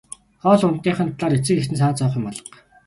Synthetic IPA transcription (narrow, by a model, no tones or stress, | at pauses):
χɔːsʊnt̪ːiːɴχə̆nt̪ɮaːɾet͡sɘ̆kext̪ɘ̆nsaːt͡sɔːχɪ̆mpɔɮɞ̥̆q